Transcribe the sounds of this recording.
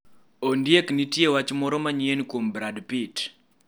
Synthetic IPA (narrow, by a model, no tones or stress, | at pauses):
ondjeknitjewat͡ʃmɔɾɔmaɲienkombɾadpit